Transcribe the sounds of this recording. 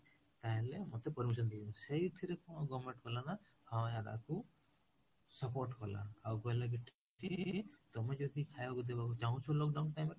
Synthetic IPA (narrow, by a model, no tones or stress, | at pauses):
t̪aɦẽlemɔt̪epɔɾmis̬ɔnd̪iuseit̪ʰiɾekɔñɔɡɔmẽɳʈkɔlana | hawaɾa̰ku | sɔpoɾʈkɔla̰ːwkɔlaɡiʈʰ | it̪ɔmed͡ʒɔd̪ikʰajbakud̪ebakut͡ʃaũt͡ʃʰɔlɔkɖaw̃nʈajmeɾ